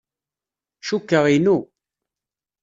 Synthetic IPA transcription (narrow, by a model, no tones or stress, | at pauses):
ʃukːəʁinu